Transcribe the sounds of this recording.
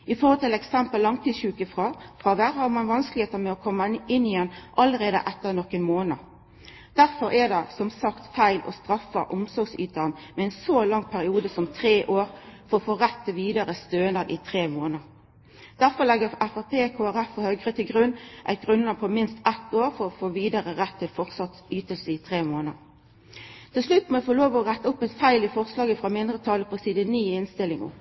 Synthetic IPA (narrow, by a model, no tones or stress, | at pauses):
ɪfoːʁhɔlt̪ɪlɛksɛmpəlːɑŋt̪ʰiːɕʉːkəfʁɑfʁɑːʋæʁhɑɾmɑnʋɑnsklɪheːt̪əmɛɔkʰɔmːəɪnːɪjɛnːʔɑlːəʁeːd̪ə̰ʔɛt̪ːəʁnɔkənmoːnə | d̪̥æʁfɔɾɛd̪ɛsɔmsɑkt̪fæɪlʔɔ̰st̪ɾɑfəʔʊmsɔɾɡsy̰ːt̪ɑnmɛɛɪnsoːlɑŋːpʰæɾɪuːd̪əsɔmt̪ʰɾeːʔoːɾfɔfoːʁɛt̪ːəʋiːd̪ɑɾəst̪øːnəɾʔɪt̪ʰʁeːmoːnəɾ | d̪̥æʁfɔʁlɛɡəʁæfæʁpʰeːkʰoːæʁæfɔhœɡʁət̪ʰɪlɡʁʉnːʔæ̰ɪt̪̚ɡʁʉnlɑpʰɔmɪnst̪ɛt̪ːoːʁfɔʁɔfoːʋiːd̪ɑʁəʁɛt̪ʰːɪlfɔʁt̪sɑt̪syːt̪əlsəɪt̪ʰʁeːmoːnəʁ | t̪ʰɪlslʉt̪ːmɔɛfoloːʋəɔʁæt̪ːəʊpːɛɪt̪fæɪlɪfɔʁslɑːɡəfʁɑmɪnd̪ʁət̪ʰɑːləpʰɔsiːd̪əniːɪnst̪ɪlːɪŋʊ̰